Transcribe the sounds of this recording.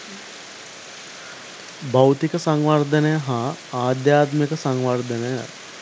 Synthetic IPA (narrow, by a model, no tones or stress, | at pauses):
bɐwt̪ikəsaŋʋard̪ənəjəɦaaːd̪jaːt̪mekəsaŋʋard̪ʱənəja̰